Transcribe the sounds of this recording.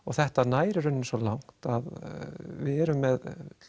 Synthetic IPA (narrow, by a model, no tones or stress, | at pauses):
ɔɣθɛht̪anaːjɾɪɾʏnːɪnsɔlawŋ̥t̪aðvɪðɛɾʏmːɛð